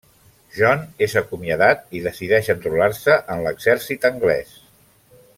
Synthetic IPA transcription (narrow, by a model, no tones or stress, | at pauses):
ʒɔnezəkumiəðat̪iðəsiðɛʃənt̪ɾularsəʔənləɡzɛɾsit̪əŋɡlɛ̰s